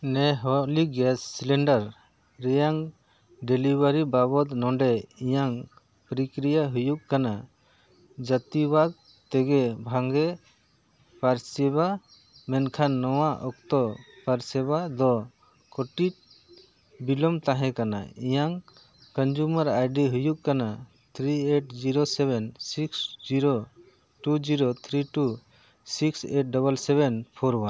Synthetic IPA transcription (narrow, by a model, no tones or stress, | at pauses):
nɛɦɔliɡɛsːilɛɳɖaɾː | ɛjaŋ | ɖɛlibaɾibabɔd̪nɔɖɛijaŋ | pɾikɾijaɦujukkːana | d͡ʒat̪ibad̪̚ | t̪ɛɡɛbʱaŋɡɛ | paɾsɛβa | mɛnkʰanːɔwaʔɔk̚t̪ɔpaɾsɛbad̪ɔ | kɔʈit̪̚ | bilɔmt̪aɦɛ̃kana̰ijaŋ | kənd͡ʒuməɾajɖiɦujuʔkana | t̪ʰɾieʈd͡ʒiɾosɛbɛnsiksd͡ʒiɾo | ʈud͡ʒiɾot̪ʰɾiʈu | sikseʈ̚ɖɔβəlsɛβɛnpʰɔɾwan